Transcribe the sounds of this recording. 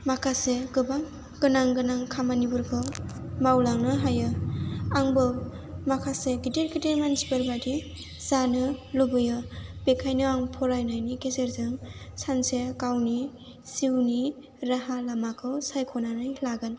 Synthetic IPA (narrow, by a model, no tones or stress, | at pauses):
makʰaseɡɯbaŋ | ɡɯnaŋɡɯnaŋkʰamanibuɾkʰɯ | mawlaŋnɯɦajɯaŋbɯ | makʰaseɡiteɾɡideɾmansibeɾbadi | zanɯlobɯjɯbekʰajnɯaŋpʰɔɾajnajnikezeɾzɯŋsansekawni | siwni | ɾaɦalamakʰɯwsajkʰɔnanajlaɡɯn